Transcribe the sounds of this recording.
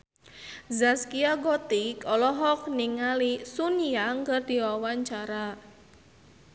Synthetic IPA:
zaskiaɡɔt̪ikɔlɔɦɔk̚niŋalisunijaŋkərd̪̥i̤wawaɲt͡ʃaɾa

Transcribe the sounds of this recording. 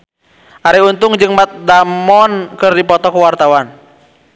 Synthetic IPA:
ʔaɾɛunt̪ʊŋd͡ʒɨŋmat̪̚damɔnkɨrdipɔt̪ɔkəwart̪awan

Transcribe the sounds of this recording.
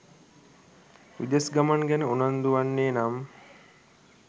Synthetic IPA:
ʋḭd̪esɡamaŋɡænəunand̪uʋanːeːnam

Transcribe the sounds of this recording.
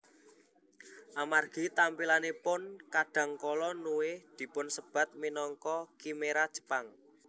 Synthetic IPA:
ʔamarɡ̥i̤t̪ampilanepʊnkaɖ̥ä̤ŋkɔlɔnuwɪhd̪̥i̤pʊnsəb̥ä̤t̪̚minɔŋkɔkimeɾad̥ʒ̥ə̤̥paŋ

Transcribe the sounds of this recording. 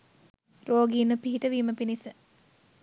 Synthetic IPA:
roːɡiːnəpiɦiʈəʋiːməpinisə

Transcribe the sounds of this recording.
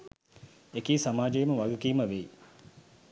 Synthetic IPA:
ekiːsamaːd͡ʒejməʋaɡukiːməʋeː

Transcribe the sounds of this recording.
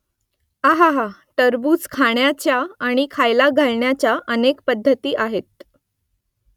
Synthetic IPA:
aɦaɦaʈəɾbuːt͡skʰaɳjat͡ɕjaːɽ̃ikʰajlaɡʱaɭɳjat͡ɕjaʔənekpəd̪ʱːət̪iːʔaɦet̪̚

